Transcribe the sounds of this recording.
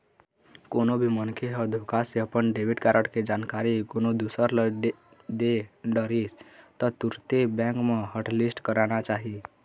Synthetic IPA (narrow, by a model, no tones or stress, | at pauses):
koːnobʱimənkʰeɦəd̪ʱokaseəpənɖeʋɪʈkaːɾəʈked͡ʒaːnkaːɾikoːnod̪usəɾl | d̪eɖəɾist̪ɔt̪uɾt̪ebɛ̃ːŋkmẽɦəʈlisʈkəɾanat͡ʃaːɦi